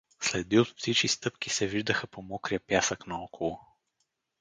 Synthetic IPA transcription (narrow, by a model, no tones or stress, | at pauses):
slɛd̪iot̪psit͡ʃkʲist̪ɤpkisɛviʒd̪əxəpomɔkɾiəpjasəknɐɔkʰolˠʊ